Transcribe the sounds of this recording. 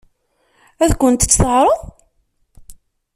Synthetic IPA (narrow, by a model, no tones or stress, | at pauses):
æðkʷʊnt̪t͡sːθəʁɾˤo